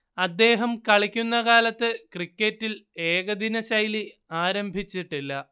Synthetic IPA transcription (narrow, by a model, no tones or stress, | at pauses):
ɐd̪ːe̞ːɦɐmkɐɭikʲːunːɐkaːlɐt̪ːɨkrikʲːetːile̞ːɣɐd̪inɐɕɐjli | aːɾɐmbʱit͡ɕːiʈːilːɐ